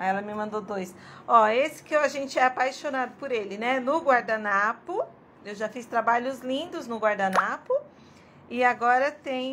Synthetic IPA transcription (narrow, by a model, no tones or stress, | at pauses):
aɛlɐmɪmɐ̃nd̪od̪ojsɔesɪ̥kaʒẽnt͡ʃɪɛapajʃonad̪ʊpʊɾelɪnɛnʊɡwaɾd̪anapʊ | ewʒafist̪ɾabaʎʊzlĩnd̪ʊznʊɡwaɾd̪anapʊ | ɪaɡɔɾɐt̪ẽj̃